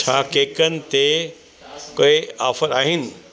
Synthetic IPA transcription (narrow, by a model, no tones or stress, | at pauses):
t͡ɕʰaːkeːkənɪ̆t̪e | koːeaːfəɾaːɦɪnɪ̆